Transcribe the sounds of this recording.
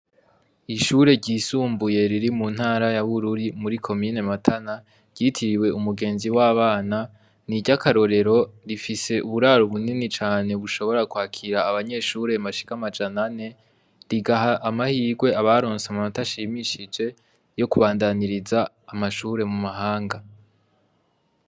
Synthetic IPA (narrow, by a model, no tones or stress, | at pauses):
iʃuːɾe̞ɟiːsuːmbuje̞ɾiɾimun̥haːɾajaβuɾuɾimuɾikʰo̞miːne̞matʰana | ɟ̥itʰiɾiwe̞umuɡe̞ːnziwaːβaːna | niɟakaɾo̞ɾe̞ɾo̞ɾifise̞ʔuβuɾaːɾoβuninit͡ʃaːne̞βuʃo̞βo̞ɾakwaːkʰiɾaːβaɲe̞ʃuɾe̞maʃi̥kamad͡ʒanane̞ | ɾiɡaɦaʔamahiːɡwe̞aβaɾoːnsemamataʃimiʃid͡ʒe̞ | jo̞kuβaːndaniɾizaː | maʃuːɾe̞mumaɦaːŋɡa